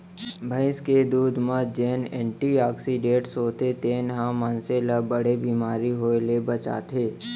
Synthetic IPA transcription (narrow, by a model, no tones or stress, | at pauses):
bʱə̃ɪsked̪uːd̪mãd͡ʒeːnɛ̰̃ːɳʈiaːksiɖẽːʈsɦoːt̪et̪eːnɦãmə̃ːnseləbəɽebiːmaːɾiɦoːelebət͡ʃa̰ːt̪ʰeː